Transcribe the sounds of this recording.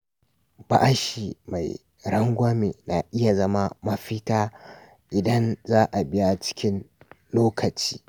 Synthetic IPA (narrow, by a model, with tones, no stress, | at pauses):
ba̰˨ʔa˦ʃi˨ma˨j | ɾɐ˦ŋɡʷa˦mḛː˨na̰˨ʔɪ˦ja˨zɐ˦ma˦mɐ˦ɸɪ˦taː˦ | ʔɪ˨dɐ˦nzaː˦ʔa˨bɪ˦ja˦t͡ʃɪ̥˦kʲɪ˦n | loː˦kʰɐ˨t͡ʃi̥ː˦